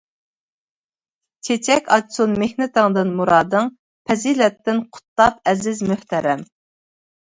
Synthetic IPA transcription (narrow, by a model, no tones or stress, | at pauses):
t͡ʃʰet͡ʃʰɛkʲɑdsunmehnɪt̪ɨŋd̪ɨnmuɾɑːd̪ɨŋ | pʰɛzilɛt̪ːɪnqʰʊ̥t̪ːˠɑpɛzɪzmøht̪ʰæɾɛm